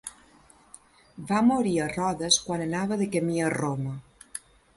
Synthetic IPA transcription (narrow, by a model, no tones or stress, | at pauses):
bamoɾiərɔðəskwanənaβəðəkəmiəromə